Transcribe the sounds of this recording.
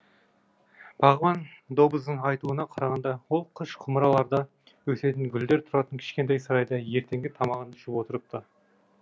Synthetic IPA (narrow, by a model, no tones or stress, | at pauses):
b̥ɑʁəvɑnd̪o̞bəzd̪əɴɑjt̪uənɑqʰɑɾɑʁɑnd̪ɑwo̞lˠqʰəʃqʰʊməɾɑlˠɑɾd̪ɑ | wɵse̞t̪ɪnɡʲʏld̪e̞ɾt̪ʰʊɾɑt̪əŋkʲʰɪ̥ʃkʲe̞nt̪̬ejsɑɾɑjd̪ɑje̞ɾt̪ʰe̞ŋɡʲɪt̪ʰɑmɑʁənʰɪʃɪpwo̞t̪əɾəp̚t̪ə